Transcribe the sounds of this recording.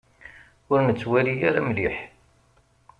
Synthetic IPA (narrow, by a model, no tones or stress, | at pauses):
ʊɾnət͡sːwælijaɾamliħ